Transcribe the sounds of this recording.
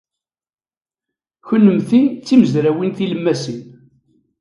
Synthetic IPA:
çʊnːəmθit͡sːiməzɾæwinθiləmːæsin

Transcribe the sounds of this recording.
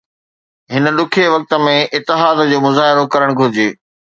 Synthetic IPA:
ɦɪnə̆ɗʊkʰeʋɐk̚t̪ə̆mẽʔɪt̪ːɪɦaːd̪d͡ʑoːmʊzaːɦɪɾokɐɾəɽ̃ɡʱʊɾɪd͡ʑeː

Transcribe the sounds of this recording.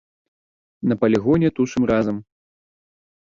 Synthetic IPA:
nɐpɐlʲiɣɔnʲɛt̪uʂɨmrazɐm

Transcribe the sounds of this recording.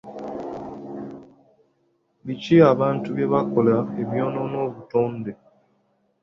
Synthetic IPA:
βit͡ʃiaβaːntuβjeβakolaeβjononoβutoːnde

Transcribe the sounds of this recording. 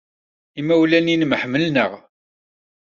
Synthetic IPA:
imæwlæninmħməlnəʁ

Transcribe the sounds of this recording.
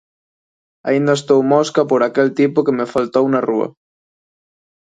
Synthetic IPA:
a̰ind̪ɐest̪owmoskɐpoɾakelt̪ipʊkemefalt̪ownaruɐ̰

